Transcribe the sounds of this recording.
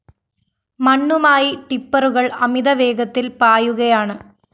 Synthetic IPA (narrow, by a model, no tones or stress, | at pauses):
mɐɳːumaːjiʈipːɐɾuɣɐɭɐmiðɐʋeːɡɐt̪ːilpaːjuɣɐjaːɳɨ